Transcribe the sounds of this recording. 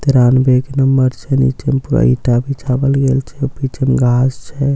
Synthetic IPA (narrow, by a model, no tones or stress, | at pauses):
t̪iɾanbʱekenəmbəɾt͡ʃʰɛnḭt͡ʃempuɾə̰iʈabʱit͡ʃʰabəlɡelt͡ʃʰɛpit͡ʃʰemɡʱast͡ʃʰɛ